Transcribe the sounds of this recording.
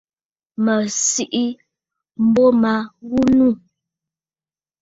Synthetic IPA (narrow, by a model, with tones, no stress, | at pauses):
mə˨si˦ʔi˦ | m̩˦bɔ˦ma˨˦ɣu˦nu˦˨